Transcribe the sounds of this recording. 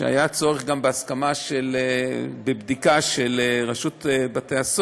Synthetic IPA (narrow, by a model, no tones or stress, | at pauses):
ḛa̰jat͡so̞ʁeχɡambeaskamaʃelebebd̪ikaʃeleʁaʃut̪bat̪eas